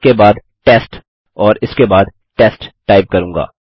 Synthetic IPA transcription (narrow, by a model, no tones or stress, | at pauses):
kebaːd̪ | ʈeːsʈ | ɔːɾɪskebaːd̪ | ʈeːsʈʈaːɪp̚kɐɾũːŋɡa̰ː